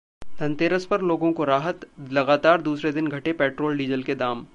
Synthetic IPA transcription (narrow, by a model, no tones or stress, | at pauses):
t̪ɐ̃nt̪eːɾəspɐɾloːɡõkoɾaːɦət̪lɐɡaːt̪aːɾd̪uːsɾed̪ɪnɡʱɐʈepeːʈɾoːlɖiːzəlked̪aːm